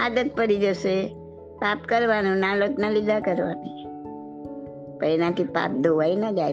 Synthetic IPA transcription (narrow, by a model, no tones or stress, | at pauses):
ad̪ət̪̚pəɾid͡ʒose | papkəɾʋanũnãloknalid̪ʱakəɾʋani | pəɾenãt̪ʰipa̰p̚d̪ʱoʋainad͡ʒaj